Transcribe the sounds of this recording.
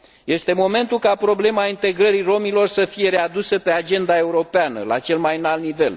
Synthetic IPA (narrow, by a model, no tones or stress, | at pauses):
je̞st̪e̞mo̞me̞nt̪ulkapɾo̞ble̞maint̪e̞ɡɾəɾiro̞milo̞rsəfije̞ɾe̞ad̪usəpe̞ad͡ʒe̞nd̪ae̞uɾo̞peanə̰la̰t͡ʃe̞lmajnalnive̞l